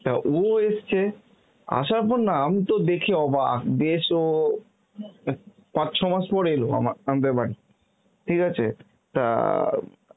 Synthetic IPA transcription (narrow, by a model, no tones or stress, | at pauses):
t̪aʔoest͡ɕʰe | a̰ʃaɾpɔɾnaamit̪od̪ekʰeɔbad̪eʃo | pãt͡ɕːʃʰɔmaʃpɔɾeeloa̰maamad̪eɾbaɽi | ʈʰikat͡ɕʰe | t̪a̰